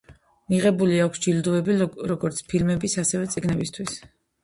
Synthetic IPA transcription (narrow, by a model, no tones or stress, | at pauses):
miʁɛbuliakʰsd͡ʒild̪uɛbiɾɔɡɔɾt̪sʰpʰilmɛbisasɛvɛt̪sʼiɡnɛbist̪ʰwis